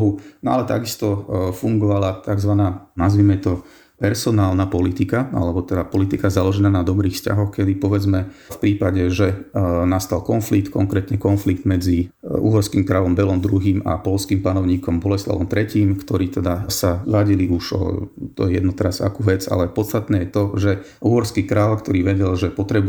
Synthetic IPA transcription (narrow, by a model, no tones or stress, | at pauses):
ɦunɔa̰lɛt̪a̰ɡist̪ɔfuŋɡɔʋalat̪aɡzʋanaːnazʋiːmɛt̪ɔ | pɛɾsɔnaːlnapɔlit̪ikaa̰lɛbɔt̪ɛd̪apɔlit̪ikazalɔʒɛnaːnad̪ɔbɾiːxfsca̰ɦɔxkɛd̪ipɔʋɛd͡zmɛfpɾiːpaɟɛʒɛnast̪alkɔnflik̚t̪kɔ̰ŋkɾɛːt̪ɲɛkɔnfliɡd̪mɛd͡ziṵɦɔɾskiːmkɾalɔmbɛlɔmd̪ɾuɦiːma̰pɔlskiːmpanɔʊɲiːkɔmbɔlɛsla̰ʋɔmt̪ɾɛciːmkt̪ɔɾiːt̪ɛd̪asaʋaɟiliʔuʒɔ̰t̪ɔɛjɛ̰d̪nut̪ɛɾaza̰kuːʋɛd͡za̰lɛpɔt̪t͡st̪at̪nɛːjɛt̪ɔʒɛ | uːɦɔɾskikɾaːlkt̪ɔɾiːʋɛɟɛlʒɛpɔt̪ɾɛb